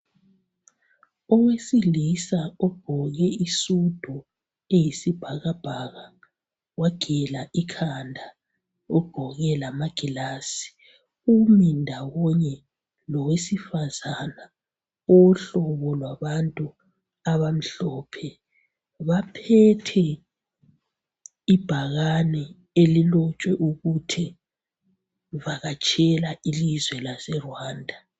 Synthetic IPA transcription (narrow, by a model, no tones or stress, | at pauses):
ɔwesilisaɔɡ̥ʱɔɣɛisud̥ʱɔ | ejisib̥ʱaɣab̥ʱaɣa | waɡ̥ʱɛlaʔikʰandʱa | ɔɡ͡ǃ̥ʱɔɣɛlamaɡ̥ʱilaːsi̥ | umindʱawɔɲɛ | lɔwesifazana | oɬɔβɔlwaβantʼu | aβam̩ɬɔːpʰɛ | βapʰɛtʰɛ | ib̥ʱaɣanɛ | elilɔt͡ʃʼwɛʔuɣutʰɛ | vaɣat͡ʃʼɛlaʔilizwɛlasɛrwaːndʱa